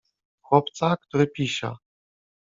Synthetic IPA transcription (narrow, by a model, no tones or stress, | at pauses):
xwɔpt̪sakt̪uɾɘpʲiɕa̰